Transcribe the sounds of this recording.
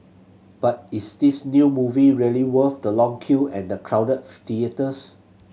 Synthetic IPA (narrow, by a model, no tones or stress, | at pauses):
b̥at̚isdisnjumuviɹiəliwəfdəlɔ̃ŋkʰuɛ̃ndəkʰɹawdət̚tiətəs